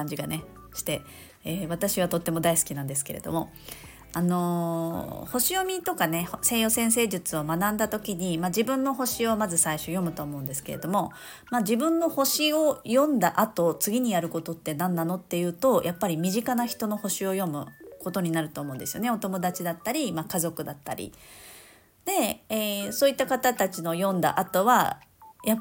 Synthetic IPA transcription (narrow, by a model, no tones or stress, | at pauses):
ãɲd͡ʑiɡane̞ | ɕi̥t̪e̞ | eːβ̞at̪aɕiβ̞at̪o̞t̪ːe̞mo̞d̪aisɨ̥kʲinãnd̪e̞sɨ̥ke̞ɾe̞̰d̪o̞̰mo̞ | ano̞ | ho̞ɕijo̞mʲit̪o̞kane̞hse̞jo̞sẽ̞ɰ̃s̬e̞ːʑɨt͡sɨo̞manãnd̪at̪o̞kʲiɲ̟imaʑibɯ̟̃nːo̞ɦo̞ɕio̞mazɨsaiɕojo̞mɯ̟t̪o̞ːmo̞ɯ̟nd̪e̞sɨ̥ke̞ɾe̞d̪o̞mo̞ | mad͡ʑibɯ̟̃nːo̞ho̞ɕio̞jõ̞nd̪aʔat̪o̞t͡sɨɡʲiɲ̟ijaɾɯ̟ko̞t̪o̞t̪ːe̞nãnːano̞t̪ːe̞jɯ̟ːt̪o̞jʔapːaɾʲimʲiʑikanaçi̥t̪o̞no̞ho̞ɕio̞jo̞mɯ̟̰ko̞t̪o̞ɲ̟inaɾɯ̟t̪o̞ːmo̞̟nd̪e̞sɨjoneo̞t̪o̞mo̞d̪at͡ɕid̪at̪ːaɾʲimakazo̞kɯ̟d̪at̪ːa̰ɾʲḭ | d̪̥e̞esoːit̪ːakat̪at̪at͡ɕino̞jõ̞nd̪a̰ʔat̪o̞βa̰ja